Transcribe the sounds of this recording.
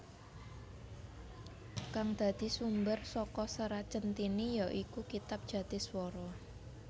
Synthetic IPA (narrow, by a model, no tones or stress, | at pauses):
kaŋd̪̥ä̤d̪̥i̤sumbərsɔkɔsəɾat͡ʃənt̪inijɔʔikukit̪ap̚dʒ̥ä̤d̪̥ɪ̤swɔɾɔ